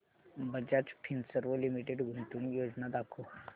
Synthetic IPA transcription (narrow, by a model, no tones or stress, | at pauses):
bɐd͡ʒat͡ʃpʰinsəɾʋolimiʈeɖɡʱʊɳʈunijoːd͡ʒnad̪akʰo